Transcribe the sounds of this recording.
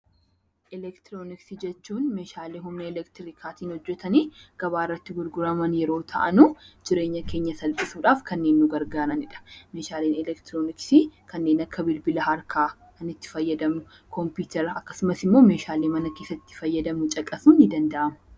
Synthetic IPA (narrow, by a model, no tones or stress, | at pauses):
ʔɪlɛkt̪ɪɾoːnɪksid͡ʒɛt͡ʃːuːnmeːʃaːleːɦʊmnɐɛlɛkt̪ɪɾɪkʰaːt̪iːnhɔd͡ʒːɛt̪ɐniːɡ̥ɐβaːɪrːɐt̪ːɪɡʊɾɡʊɾɐmɐnjɛɾo̞ːt̪ʰɐʔɐnʊd͡ʒɪɾe̞ːɲːɐkeːɲːɐsɐlpʼɪsuːᶑaːfkɐnːe̞ːnːʊɡɐɾɡaːɾɐnɪᶑɐ̥meːʃaːleːnɛlɛkt̪ɪɾoːnɪksikʰɐnːe̞ːnɐkːɐbɪlbɪlɐɦɐɾkʰaː | kɐnɪt̪ːɪ̥fɐjːɐd̪ɐmnʊ | kʰɔmpiːt̪ɛɾɐkːɐsʊmɐsɪmːo̞ːme̞ːʃaːleːmɐnɐke̞ːsːɐɪt̪ːɪ̥fɐjːɐd̪ɐmʊt͡ʃʼɐkʼːɐsuːnːɪd̪ɐnd̪ɐʔɐmɐ̥